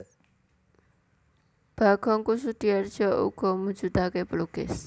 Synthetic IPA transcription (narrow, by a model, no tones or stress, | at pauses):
b̥aɡ̥ɔŋkusut̪iard͡ʒɔʔṵɡɔmud͡ʒud̪akepəlukɪ̰s